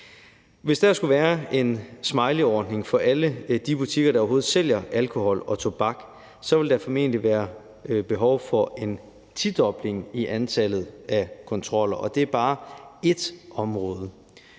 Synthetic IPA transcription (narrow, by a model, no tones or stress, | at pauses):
ʋe̝sd̥æɐsɡ̥uʋæːɐe̝nsmɑ̈ɪliɒːd̥ne̝ŋfɒ̽ʔæləd̥ib̥ut͡sʰiɡ̥ɐɾ̥ɑ̈ɒʊɦo̝ːð̩ˠsel̰jɐʔælkʰo̝hɒ̽lɒ̽t͡sʰo̝b̥ɑ̈ɡ̥ | sɒ̽ʋe̝ld̥ɑfɒme̝̰ːndliʋæːɐ | b̥e̝ɦɒʊfɒ̽e̝n | t͡sʰid̥ɒ̽b̥le̝ŋiʔænt͡sʰælð̞̩ˠækʰɒ̽nt͡sʰʁɒ̽l̰ɐʔɒ̽d̥e̝æɐb̥ɑ̈ːe̝d̥ɒ̽mʁɔ̽ːð̞ˠə